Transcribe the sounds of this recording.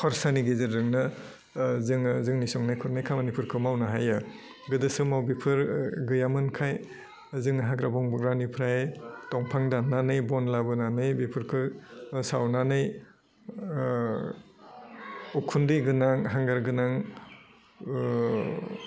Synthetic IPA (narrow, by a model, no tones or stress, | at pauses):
kʰɔɾsaniɡezɯɾːɯŋnɯ | zɯŋzɯŋnisɔŋnajkʰɔɾnajkʰamanipʰɯɾkʰɯmawnaɦajɯ | ɡɯdɯsɯmawbipʰɯɾɡɯjamɯnkʰaj | zɯŋɦaɡɾabɔŋbɯɡɾanipʰɾajtɔŋpʰaŋdanːanɯjbɔnlabɯnanɯjbipʰɯɾkʰɯsawnanɯj | ukʰundɯjɡɯnaŋɦaŋɡaɾɡɯnaŋ